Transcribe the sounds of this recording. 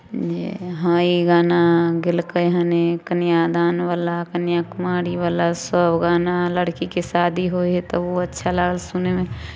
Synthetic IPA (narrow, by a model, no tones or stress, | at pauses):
d͡ʒeɦãːiɡaːnaɡɪlkəjɦənekənijad̪aːnʋaːlakənjakʊmaːɽiʋaːlasəbʱɡaːnaləɽkikesaːd̪ʱiɦoɦet̪ɔoətːʃʰalaːɡəlsʊnemẽ